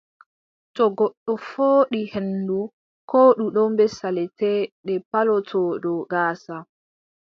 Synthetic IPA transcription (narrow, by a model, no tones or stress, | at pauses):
tɔɡɔɗːɔfoːɗihenːdu | kʰoːɗuɗɔmbɛsalɛtɛɗɛpalɔtʰɔɗɔɡaːsa